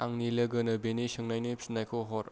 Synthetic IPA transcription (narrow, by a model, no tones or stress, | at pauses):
aŋnilɐɡɐnɐbenisɯŋnajnepsnajkʰoɦɔɾ